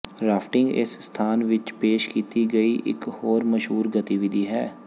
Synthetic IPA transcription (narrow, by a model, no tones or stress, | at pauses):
ɾaːpʰʈɪŋɡɪ̰sst̪ʰaːnʋɪt͡ʃpeːʃkiːt̪iːɡəiːʔɪ̰khoːɾməʃɦuːɾɡət̪iːʋɪd̪iːɦɛ̰ː